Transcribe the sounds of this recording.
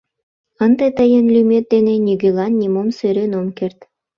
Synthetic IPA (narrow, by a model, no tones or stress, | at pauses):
ə̆nd̪ɤt̪əjənlʲymʲet̪̚d̪enĕnʲiɡʲelɑnːʲimomsøɾʲenomkert̪